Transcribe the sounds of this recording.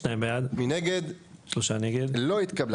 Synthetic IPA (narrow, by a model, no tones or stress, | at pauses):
ʃnajimbejad̪mineɡed̪ʃloʃaneɡed̪lo̞it̪kabl